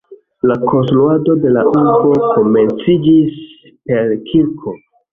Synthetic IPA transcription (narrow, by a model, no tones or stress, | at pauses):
lakʰo̞nsluado̞de̞laʔuɾbo̞ko̞me̞nt͡sid͡ʒis | pe̞ɾkʰiɾkʰo̞